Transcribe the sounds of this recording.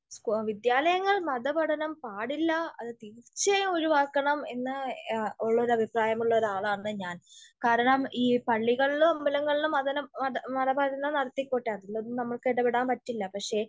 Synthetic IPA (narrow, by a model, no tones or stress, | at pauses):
skʋid̪jaːlɐjɐŋːɐɭmɐðɐbɐʈʰɐnɐmpaːɽilːɐɐ̰ðɨt̪iɾirt͡ɕːɐo̞ɻuʋaːkːɐɳɐme̞nːɨoɭːɐoɾɐbʱipraːjɐmuɭːɐoɾaːɭɐaːnːɨɲaːnkaːɾɐɳɐmiːpɐɭːiɣɐɭilumɐmːbilɐŋːɐɭilumɐðɐnɐɐmɐðɐbɐɾinːɐnɐɽɐt̪ːikːoːʈːjaːt̪ːilːɐðumnɐmːɐɭkeɽɐbeɽaːnpɐtːilːɐpɐkʂe̞